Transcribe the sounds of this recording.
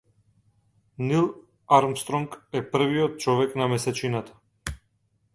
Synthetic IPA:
nilˠ | aɾmst̪ɾɔŋkɛpr̩viɔt̪̚t͡ʃɔvɛknamɛsɛt͡ʃinat̪ḁ

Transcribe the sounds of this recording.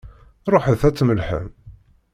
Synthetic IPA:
ɾˤoħəðθæt͡sːməlħə̰m

